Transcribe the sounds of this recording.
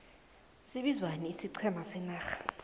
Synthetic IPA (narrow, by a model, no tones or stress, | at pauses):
siɓizwanɛːsiǀʰɛmasɛnaːxḁ